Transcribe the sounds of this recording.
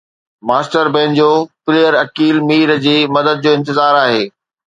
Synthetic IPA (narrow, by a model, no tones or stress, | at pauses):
maːsʈəɾbẽːnd͡ʑoːpɪleːəɾɐkiːlmiːɾd͡ʑiːmɐd̪əd̪̚d͡ʑoːɪ̃nt̪ɪzaːɾaːɦeː